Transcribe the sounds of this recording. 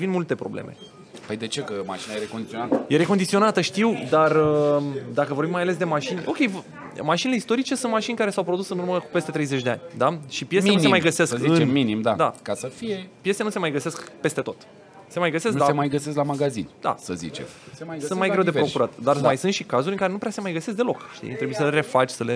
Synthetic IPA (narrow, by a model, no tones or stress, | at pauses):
vinmult̪e̞pɾo̞blḛme̞̰ | pəjd̪e̞t͡ʃe̞kəma̰ʃinajeɾekond̪it̪sionat̪əje̞ɾe̞ko̞nd̪it̪sio̞nat̪əʃt̪iwd̪arəd̪akəvoɾbimajale̞s̬d̪e̞maʃinʲo̞kʲe̞jv | maʃineleist̪o̞ɾit͡ʃe̞sunt̪̚maʃinʲkaɾe̞sawpɾo̞d̪usɨnurməkupe̞st̪e̞t̪ɾejzet͡ʃʲd̪eanʲd̪aʃipjesmenusemajɡəse̞skziɨnminimd̪ad̪akasəfijepje̞se̞nuse̞majɡəse̞skpe̞st̪e̞t̪o̞t̪ | se̞majɡəsesknd̪asemajɡəses̬klamaɡazḭnd̪a̰səzḭt͡ʃḛmsunt̪majɡɾe̞wd̪epɾo̞kuɾat̪d̪armajsunt̪ʃikazuɾʲɨŋkaɾe̞nupɾease̞majɡəse̞s̬k̚d̪e̞lo̞kʃt̪ḭt̪ɾebujesəleɾe̞fat͡ʃʲsəle